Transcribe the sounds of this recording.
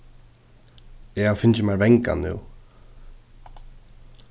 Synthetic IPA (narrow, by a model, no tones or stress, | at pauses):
ɛɣawfɪnt͡ɕɪmaɾvɛjŋka̰nːṵː